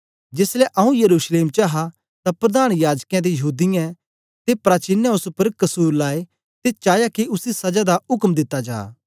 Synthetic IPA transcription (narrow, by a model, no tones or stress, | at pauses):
d͡ʒɪslɛʔɐũjɐɾuːsleːmt͡ʃaɦa | t̪apɾɐd̪aːñjaːd͡ʒkãd̪ejɐɦuːd̪ɪjã | t̪epɾaːt͡ʃɪnːãʊsupəɾkɐsuːɾlaːe | t̪et͡ʃaːjakiʊsisɐd͡ʒad̪aʊkmd̪ɪt̪ːad͡ʒa̰ː